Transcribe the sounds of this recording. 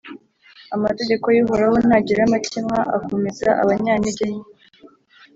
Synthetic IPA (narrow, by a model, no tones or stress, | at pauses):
amate̞ɟe̞kojiɦoɾaho̞naɟiɾamacʰimŋaʔa̰ko̞mezaʔa̰βaɲaːniɟeɲi